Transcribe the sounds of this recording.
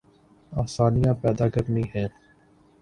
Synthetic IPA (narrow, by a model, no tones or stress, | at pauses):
aːsaːnijãːpɛːd̪aːkəɾniɦɛ̃ː